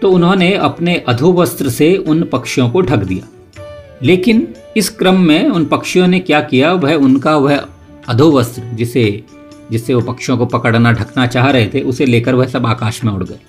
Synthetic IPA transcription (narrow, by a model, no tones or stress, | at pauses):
t̪oːʊnɦõneɐpneʔɐd̪ʱuʋəst̪ɾəseʊnpɐkʃjõkoɖʱɐkd̪ija̰ː | leːkɪn | ɪskɾəmːẽʊnpɐkʃjõnekjaːkijaʋɐɦʊnkaʋɐɦ | ɐd̪ʱuʋəst̪ɾəd͡ʒɪse | d͡ʒɪsːeʋopɐkʃjõkopɐkəɽnaɖʱɐknat͡ʃaːɦɾɐɦet̪ʰeʔʊseleːkəɾʋɐɦsɐbaːkaːʃmẽʊɽ̤ɡəe